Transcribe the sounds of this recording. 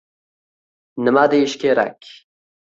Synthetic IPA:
nəmad̪əiʃkeɾa̰k

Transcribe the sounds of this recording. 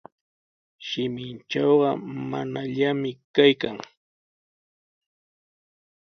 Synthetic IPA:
ʃɪmɪnt͡ʃɑwɢɑma̰naʎamɪkajkaŋ

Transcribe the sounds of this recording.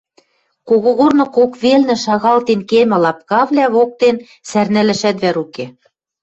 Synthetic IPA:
koɣoɣornɤ̆kokβelnɘ̆ʃɑɣɑlt̪enkemæ̆lɑp̚kɑβlʲæβok̚t̪en | særnælɘ̆ʃæt̪βæɾuke

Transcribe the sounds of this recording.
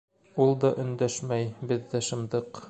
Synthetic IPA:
ulˠd̪ɒʔɵ̆nd̪æʃmæjbɘðːæʃɤ̆md̪ɤq

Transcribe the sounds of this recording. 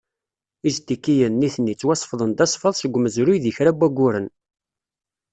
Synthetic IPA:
izt̪ikːijənːiθnːit͡sːwæsˤfðˤənd̪æsˤfəðˤsəɡʷːməzɾujðiçɾæbːæɡʷːʊɾən

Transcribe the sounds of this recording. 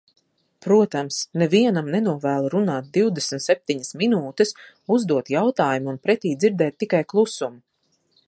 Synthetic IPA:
pɾuɔt̪amsnɛviɛnamnɛnuɔvæːlˠaɾunaːt̪̚d̪iwd̪esmt̪sep̚t̪iɲasminuːt̪ɨs | uzd̪uɔt̪jawt̪aːjumunpɾɛt̪iːd̪ziɾd̪ɛːt̪ːikajklˠusumu

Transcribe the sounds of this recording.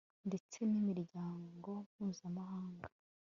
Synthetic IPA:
nde̞t͡se̞nimiɾɟaːŋɡo̞mhuːzamaɦaːŋɡa

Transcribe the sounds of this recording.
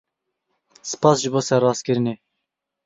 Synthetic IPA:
sɨ̥pɑːsʒɨboːsɛɾːɑːskɨɾɨneː

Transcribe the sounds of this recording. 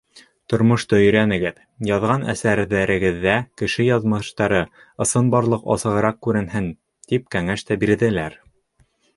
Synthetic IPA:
t̪ŏɾmŏʃt̪ɤɵ̆jɾænɘ̆ɡɘð | jɑðʁɑnæ̰sæɾðæɾɘ̆ɡɘ̆ðːækɘ̆ʃɘjɑðmɤ̆ʃt̪ɑɾɤ | ɤ̆sɤnbɑɾlˠɤqɑ̰sɤ̆ʁɤ̆ɾɑq̚kːʉɾɘ̆nhɘn | t̪ip̚kæŋæʃt̪æbiɾðɘ̆læɾ

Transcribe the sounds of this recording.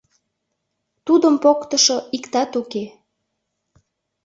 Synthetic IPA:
t̪ud̪əmpokt̪əʃoikt̪ɑt̪uke

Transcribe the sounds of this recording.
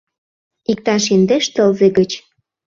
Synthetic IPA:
ik̚t̪ɑʃind̪eʃt̪ə̆lzeɣət͡ɕ

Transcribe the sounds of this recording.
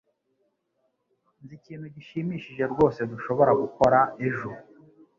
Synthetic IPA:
nziciːn̥huɟiʃimiːʃiʒe̞ɾɡo̞ːse̞duʃo̞βo̞ɾaɡuko̞ɾaeʒuɾu

